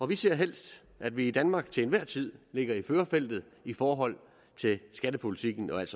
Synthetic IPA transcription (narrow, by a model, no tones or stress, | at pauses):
ɒ̽ʋiseɐ̰ɦel̰sd̥ | ʔæd̥ʋiːd̥ænmɑ̈ːɡ̥t͡sʰe̝enʋæɐ̰t͡sʰið̞̰ˠle̝ɡ̥ɐiføːɐfel̰d̥ð̞̩ˠ | ifɒːɦɒ̽l̰ | t͡sʰe̝lsɡ̥æd̥əpʰo̝lit͡sʰiɡ̥n̩ɒ̽æl̰d̥s